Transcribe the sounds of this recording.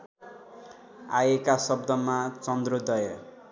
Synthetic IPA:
ajekasʌbd̪ʌmat͡sʌnd̪rod̪ʌjʌ

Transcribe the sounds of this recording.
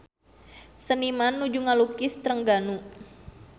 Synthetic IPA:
sənimanːud͡ʒuŋalukɪst̪ɾəŋɡanu

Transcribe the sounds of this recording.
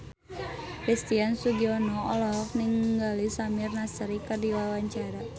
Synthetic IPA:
kɾist̪iansuɡiɔnɔɔlɔk̚niŋɡalisamirnasəɾikərdiwawaɲt͡ʃaɾa

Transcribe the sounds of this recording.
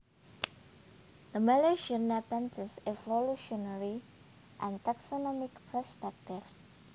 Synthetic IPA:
d̪əmɛleʃənapɛ̃ntʰəsevoluʃɔnaɹi | ʔɛ̃nt̪aksonɔmɪkpʰəspɛk̚tɪfs

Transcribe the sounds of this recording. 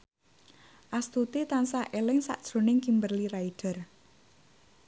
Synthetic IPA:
ʔast̪ut̪it̪ansaʔelɪŋsa̰ʔd̥ʒ̥ɾo̤nɪŋkimbərliɾaiɖ̥ə̤r

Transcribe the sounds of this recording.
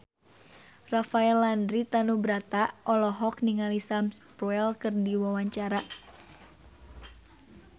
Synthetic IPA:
rafaɛlːandɾit̪anubɾat̪aʔɔlɔɦɔk̚niŋalisamspɾɔɛlkɨrdiwawaɲt͡ʃaɾa

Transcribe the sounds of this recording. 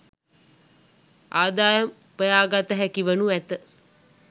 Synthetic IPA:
aːd̪aːjəm | pəjaːɡat̪əɦækiʋənuʋæt̪ə

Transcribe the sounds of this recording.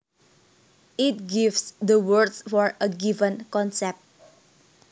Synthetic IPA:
ʔit̚ɡivsd̪əwəɹdsfɔɹəɡivə̃nkɔ̃nsɛp̚t̚

